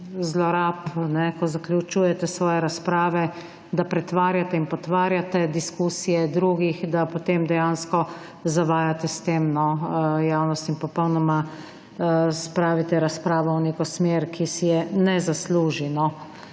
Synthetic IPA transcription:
zlɔɾapnɛkɔzaklʲjut͡ʃuːjɛt̪ɛsʋɔːjɛɾaspɾaːʋɛ | d̪apɾɛt̪ʋaːɾjat̪ɛinpɔt̪ʋaːɾjat̪ɛd̪iskuːsijɛd̪ɾuːɡixd̪apot̪emd̪ɛjaːnskɔ | zaʋaːjat̪ɛst̪eːmnɔjawnɔst̪inpɔpɔwnɔma | spɾaːʋit̪ɛɾaspɾaːʋɔɔneːkɔsmeɾkʰisijɛnɛzasluːʒinɔ

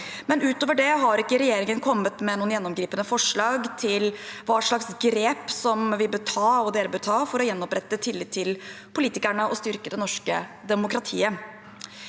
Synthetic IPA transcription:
mɛnʉːt̪oːʋəɖɛɦɑɾɪkːəɾɛjeːɾɪŋənkʰɔmːət̪mɛnuːənjɛnːɔmɡɾiːpənəfɔʂɭɑːɡt̪ʰɪlʋɑːʂɭɑksɡɾeːpsɔmʋɪbʉt̪ʰɑːɔd̪eːɾəbʉt̪ʰɑːfɔɾɔjɛnːɔpɾɛt̪ːət̪ʰɪlːɪt̪ʰɪl | pʰʊliːt̪ɪkæɳəʔɔst̪ʏɾkəd̪ɛnɔʂkəd̪ɛmʊkɾɑt̪ʰiːə

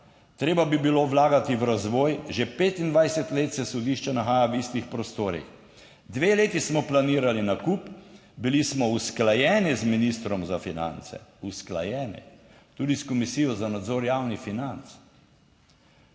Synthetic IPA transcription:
t̪ɾeːbabibiloːʋlaːɡat̪iwɾazʋɔːjʒepeːt̪ind̪ʋajsɛt̪leːt̪sɛsɔd̪iʃt͡ʃɛnaxaːjaʋist̪ixpɾɔst̪oːɾḭx | d̪ʋeːleːt̪ismɔplaniːɾalinakup | bilismɔusklajɛːnizminist̪ɾɔmzafina̰nt̪sɛ̰uskla̰jɛːnḭ | t̪uːd̪iskɔmisiːjɔzanad̪zoːɾjaːwnifinant̪s

